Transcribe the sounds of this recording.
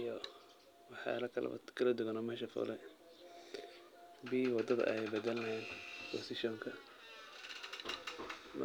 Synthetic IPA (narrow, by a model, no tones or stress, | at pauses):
jɔ | wɑħja̰ːlɐkʰɐl̰kʰɐlɐd̪ʊɣɐnɔmɛːʃɐfɔ̰ːlɛ̰ | biːwɑd̪ɐðɐ̰ʔɛjbɐd̪ɛlɐɦɛːnpʰɔ̰sɪʃɔŋkʰɐ | m